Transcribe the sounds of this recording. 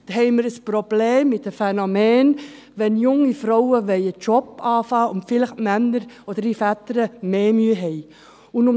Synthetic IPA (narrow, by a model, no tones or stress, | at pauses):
thɛɪməɾəsprob̥leːmːɪtəfɛnomɛːn | ʋɛnjʊŋifɾɔʊəʋɛɪət͡ʃɔpɑːfɑːʊntfɪlɪχmɛnːəɾod̥̪əɾifætəɾəmeːmyəɦɛɪ | ʊnʊm